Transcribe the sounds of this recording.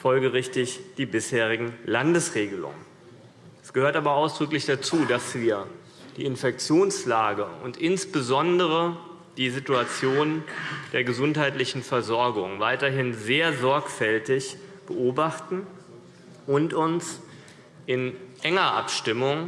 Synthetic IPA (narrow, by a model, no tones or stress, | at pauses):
fɔlɡəʁɪçtɪçd̥iːbɪsheːʁ̞ɪɡŋ̩landəsʁeːɡəlʊ̰ŋə̰n | ɛsɡ̥əhøːɐtaːbɐaʊsd̥ʁʏklɪçd̥at͡suːdasv̥iːɐ | d̥ḭːɪnfɛk̚t͡sjoːnslaːɡəʊ̰ntʔɪnsb̥əzɔndəʁ̞ə | d̥iːzituat͡sjoːnd̥eːɐɡəzʊnthaɪtlɪçn̩fɛɐzɔɐɡʊŋvaɪtɐɦɪnzeːɐzɔɐkfɛltɪçb̥əʔoːbaχtn̩ | ʔʊntʊns | ʔɪnʔɛŋɐʔa̰pʃtɪmʊŋ